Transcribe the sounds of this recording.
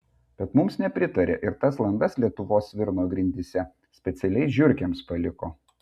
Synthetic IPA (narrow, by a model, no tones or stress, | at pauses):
b̥ʲɛt̪mʊmsnʲɛpʲɾʲɪt̪ɐɾʲḛːʔɪɾt̪ɐslˠɐnd̪ɐslʲiɛt̪ʊʋoːsʋʲɪɾnoːɡɾʲɪnʲd̪ʲiːsʲɛ | sʲpʲɛt̪sʲɛlʲɛɪʒʲʊɾʲkʲɛmspɐlʲɪkoː